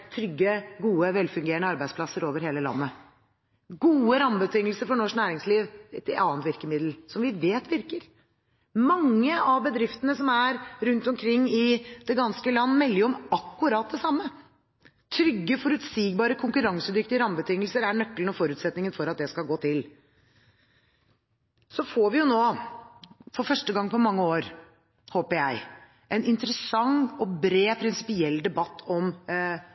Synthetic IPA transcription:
t̪ʰɾʏɡːəɡuːəʋɛlfʉŋɡeːəɳəɑɾbæɪsplɑsːəɾoːʋəɾheːləlɑ̰nːə | ɡuːəɾɑmbət̪ʰɪŋːəl̩səɾfɔɳɔʂnæːɾɪŋsliːʋt̪ɪɑːnt̪ʋɪɾkəmɪd̪l̩sɔmʋɪʋeːt̪ʋɪɾkəɾ | mɑŋːəɑʋbəd̪ɾɪft̪ənəsɔmæɾɾʉnt̪ɔmkʰɾɪŋːɪd̪̥ɛɡɑnskəlɑnːmɛlːəɔmɑkːʉɾɑːt̪̚d̪ɛsɑmːə | t̪ʰɾʏɡːəfɔɾʉt̪siːɡbɑːɾəkʰʊŋkʉɾɑŋsəd̪ʏkt̪ɪɾɑmbət̪ʰɪŋːəlsəɾæɳœkːlən̩ɔfɔɾʉːt̪sɛt̪nɪŋənfɔɾɑt̪̚d̪ɛskɑlɡoːt̪ʰɪl | sɔfoːʋɪjʊnoː | fɔɾfœʂʈəɡɑŋːpʰɔmɑŋːəoːɾ | hoːpəjæɪ | ʔɛnɪnt̪əɾəsɑŋɔbɾeːpʰɾɪnsɪ̥pɪɛlːd̪ɛbɑt̪ːɔm

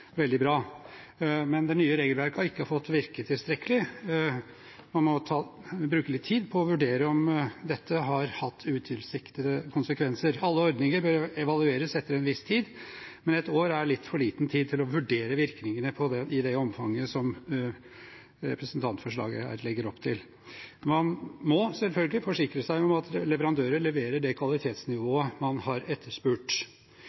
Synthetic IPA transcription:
ʋɛld̪ɪbɾɑː | mɛnd̪ɛnyːəɾeːɡəlʋæɾkɑɪkːəhɑɾfɔt̪ːʋɪɾkət̪ʰɪlst̪ɾɛkːəlɪ | mɑnmɔt̪ʰɑːbɾʉːkəlɪt̪ʰːiːd̪pʰɔɔʋʉɖeːɾəɔmd̪ɛt̪ːəɦɑɾhɑt̪ʰːʉːt̪ʰɪlsɪkt̪əd̪əkʰʊnsəkʰʋɛnsəɾɑlːəɔɾd̪nɪŋəɾbøɾɛʋɑlʉeːɾəsɛt̪ːəɾɛnʋɪst̪ʰiːd̪mɛnɛt̪oːɾæɭɪt̪ːfɔɭiːt̪n̩t̪ʰiːd̪t̪ʰɪlɔʋʉɖeːɾəʋɪɾknɪŋənəpʰɔd̪ɛʔɪd̪ɛɔmfɑŋːəsɔm | ɾɛ̰pɾəsnt̪ʰɑnt̪fɔʂɭɑ̰ːɡə̰hæ̰ːɾlɛɡːəɾɔpt̪ʰɪl | mɑnmɔsɛlfœlɡəlɪfɔʂɪkɾəsæɪɔmɑt̪ʰlɛʋəɾɑnd̪øːɾəɭɛʋeːɾəɖɛkʰʋɑlɪt̪ʰeːt̪snɪʋoːəmɑnhɑɾɛt̪ʰːəʂpʉːʈ

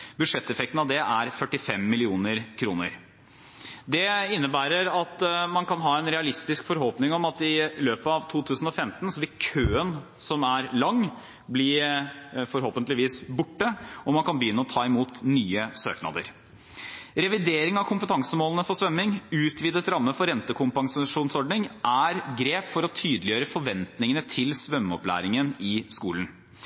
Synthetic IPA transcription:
bʉd̪ʂɛt̪ːɛfɛkt̪n̩ɑʋd̪ɛʔæɾfœʈːɪfɛmːɪlɪuːnəɾkʰɾṵːnə̰ɾ | d̪ɛɪnːəbæːɾəɾɑt̪mɑnkɑnɦɑːɛnɾɛɑlɪst̪ɪskfɔɾhoːpnɪŋɔmɑt̪ɪløːpəɑʋt̪ʰuːt̪ʰʉːsn̩ɔfɛmt̪nsɔʋɪt̪kʰøːənsɔmæɾlɑŋː | blɪɾfɔɾɦoːpənlɪʋiːsbʊʈːəɔmɑnkɑnbəjʏnːəɔt̪ʰɑːɪmuːt̪nyːəsø̰ːknɑ̰d̪ə̰ɾ | ɾɛʋɪd̪eːɾɪŋɑʋkʰʊmpət̪ʰɑŋsəmoːlənəfɔʂʋœmːɪŋʉːt̪ʰʋiːd̪ət̪ɾɑmːəfɔɾɛnt̪əkʰʊmpɑŋsʂuːnsɔɖɳɪŋʔæɾɡɾeːpfɔɾɔt̪ʰyːd̪lɪjøːɾəfɔɾʋɛnt̪nɪŋənət̪ʰɪlsʋœmːɔplæ̰ːɾɪŋənɪskṵːlən̩

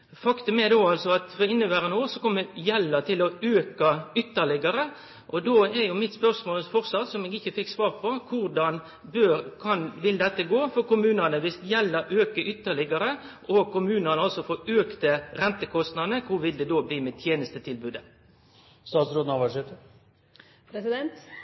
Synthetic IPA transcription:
fɑkt̪ʉmɛd̪oːɑlsɔɑt̪fɔɾɪnːəʋæːɾənoːəsɔkɔmːəjɛlːət̪ʰɪlɔøːkɑʏt̪ːəɭɪɡɑɾə | ʔɔd̪oːɛɾjʊmɪt̪spœɾsmoːlfɔʁsɑt̪ːsɔmeːɡɪçːəfɪkːsʋɑːʁpʰɔkʰʊɾɖɑn | bøkʰɑnʋɪld̪ɛt̪ːəɡoːfɔʁkʊmʉːnənəʋɪst̪jɛlːəɾʔøːkəʔʏt̪ːəɭɪɡɑɾə | ʔɔkʰʊmʉːnənəɑlsɔfoːɾøːkt̪əɾɛnt̪əkʰɔst̪nɑd̪nəkʰʊʋɪld̪ɛd̪oːbliːmɛt̪ʰjeːnəst̪ət̪ʰɪlbʉːd̪ə | st̪ɑːt̪sɾoːd̪n̩ɑʋɑʂet̪ə | ɾɛsɪd̪ɛnt̪

